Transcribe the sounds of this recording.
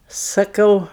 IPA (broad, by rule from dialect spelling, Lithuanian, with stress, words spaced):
sɐˈkɐʊ